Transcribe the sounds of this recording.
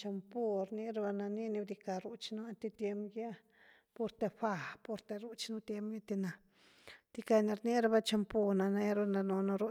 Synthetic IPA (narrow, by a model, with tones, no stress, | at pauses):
t͡ʃa˧mpo˧ɾni˦ɾa˧ba˧na˧ni˦ni˧bd̪i˧ka˧˨ɾu˧t͡ʃnu˦a˦nt̪e˧t̪je˧mɡja˦ | po˧ɾt̪e˧ɸa˧˨po˧ɾt̪e˧ɾu˦t͡ʃnu˦t̪je˧mja˦t̪i˧na˧ | t̪i˧ka˧na˧ɾni˦ɾa˧ba˧t͡ʃa˧mpo˧na˧na˧ja˦ɾa˧na˧no˧no˧ɾu˦